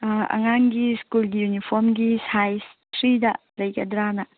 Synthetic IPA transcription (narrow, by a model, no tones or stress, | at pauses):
ɐ̰ŋaŋɡiskulɡijunipʰoɾmɡisajs | tɾidɐ | ɾɐjkɐdɾanɐ